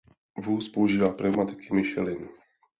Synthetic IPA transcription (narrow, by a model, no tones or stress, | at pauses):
vuːspouʒiːvaːpɾɛmat̪ɪ̥kɪmɪʃɛ̰lɪn